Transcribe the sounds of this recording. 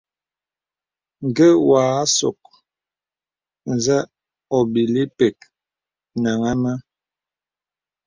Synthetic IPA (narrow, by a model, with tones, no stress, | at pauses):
ŋ˨ɡə˦waː˨˦so̰˨k̚ | n˨za˦ | ɔ˨bi˨li˦pɛ˨k̚ | na˨ŋa˦ma˦